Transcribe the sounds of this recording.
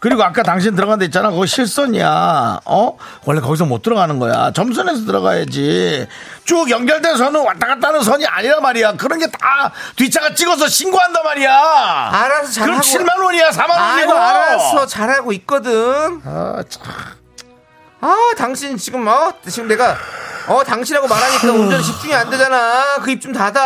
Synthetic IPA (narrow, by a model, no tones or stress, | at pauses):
kɯɾiɡoak͈ataŋɕ̬ʰiɲit̬ɯɾʌɣande̞it̚t͡ɕ͈anakʌɡiɕʰiɭs͈ʌɲija̰ʌwʌɭːekʌɡis̬ʰʌmot͈ʰɯɾʌɡanɯnɡʌ̰ja̰t͡ɕʌms̬ʰʌne̞s̬ʰʌtɯɾʌɡa̰jad͡ʑi | t͡ɕ͈ojʌŋɡjʌɭde̞ns̬ʰʌnɯnwat͈aɡat̚t͈anɯns̬ʰʌɲiʔa̰ɲiɾamaɾijakɯɾʌnɡe̞tatɥit͡ɕʰaɡat͡ɕ͈iɡʌs̬ʰʌɕʰinɡoɦandamaɾijaaɾasʰʌt͡ɕaɯɾaɡɕʰiɭmanwʌɲiasʰamanwoɲiɡoɾasʰʌt͡ɕaɾɦaɡoit̚k͈ʌdɯnn̰t͡ɕ | ataŋɕʰint͡ɕiɡɯmʌt͡ɕiɡɯmne̞ɡaʌtaŋɕʰinɦaɡomaɾanet͈ʌnond͡ʑʌnɕʰip̚t͡ɕ͈uŋiande̞d͡ʑanakɯip̚t͡ɕomtada